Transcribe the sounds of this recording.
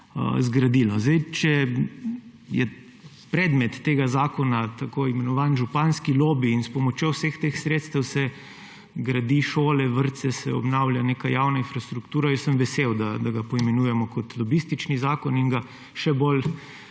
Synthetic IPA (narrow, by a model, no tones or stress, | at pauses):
ə̰zɡɾad̪ilnɔzd̪ɛjt͡ʃɛ | jɛ̰ | pɾɛd̪mɛt̪ːeːɡazaːkɔnat̪akoːimɛnɔʋaːnʒupanskiloːbiːnspɔmɔt͡ʃjowsext̪exsɾeːt̪st̪ɛwsɛ | ɡɾad̪iʃoːlɛʋəɾt̪sɛsɛ̰ɔ̰bnaʊlʲjaneːkajaːwnainfɾast̪ɾukt̪uːɾajɛsəmʋɛsewd̪ad̪aɡapɔimɛnuːjɛmɔkɔt̪lɔbist̪it͡ʃnizaːkɔniŋɡa | ʃɛbol